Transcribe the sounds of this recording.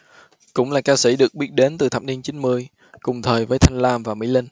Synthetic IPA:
kʊ̰˧˥ŋ͡mlaː˨˩kaː˧sḭ˧˩ɗɨ˨˩ək̚ɓi˦˥ət̚ɗe˨˦nt̪ɨ˨˩t̪ʰa̰ː˧˨˩p̚ni˧ənt͡ɕi˨˦ŋ̟mɨ˧əj | kʊ˨˩ŋ͡mt̪ʰəː˨˩jvəː˨˦jt̪ʰa˧jŋ̟laː˧mvaː˨˩mḭ˧˥lï˧ŋ̟

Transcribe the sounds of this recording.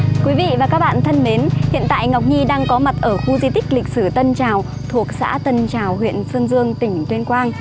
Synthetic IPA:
kwi˨˦vḭ˧˨vaː˨˩kaː˦˥k̚ɓa̰ː˧˨nt̪ʰə˧nme˨˦nhḭ˧˨ənt̪a̰ː˧˨jŋa˨˩wk͡p̚ɲi˧ɗaː˧ŋkɔ˨˦ma˨˩t̚ʔəː˧˩xu˧zi˧t̪ï˦˥k̟̚lï˨˩k̚sɨ˧˩t̪ə˧nt͡ɕaː˨˩w | t̪ʰu˨˩ək̚sa̰ː˧˥t̪ə˧nt͡ɕaː˨˩whwḭ˧˨ənsɨː˧nzɨ˧əŋt̪ï˧˩ŋ̟t̪wi˧ənkwaː˧ŋ

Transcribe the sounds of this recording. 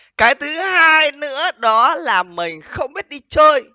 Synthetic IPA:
kaː˨˦jt̪ʰɨ˨˦haː˧jnɨ̰˧˥əɗɔ˨˦laː˨˩mï˨˩ŋ̟xə˧wŋ͡mɓi˦˥ət̚ɗi˧t͡ɕəː˧j

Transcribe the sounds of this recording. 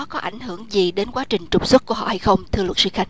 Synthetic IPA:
kɔ˨˦ʔa̰˧˩jŋ̟hɨ˧˩əŋzi˨˩ɗe˨˦nkwaː˨˦t͡ɕï˨˩ŋ̟t͡ɕʊ˨˩k͡p̚swə˦˥t̚ku˧˩əɦɔ̰˧˨ha˧jxə˧wŋ͡mt̪ʰɨ˧əwə˨˩t̚sɨ̰˧˦xa˧jŋ

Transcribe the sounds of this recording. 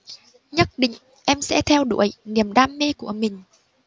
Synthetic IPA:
ɲə˦˥t̚ɗḭ̈˧˨ŋ̟ | ʔɛ˧msɛ̰˧˥t̪ʰɛ˧wɗṵ˧˩əjni˨˩əmɗaː˧mːe˧ku˧˩əmï˨˩ŋ̟

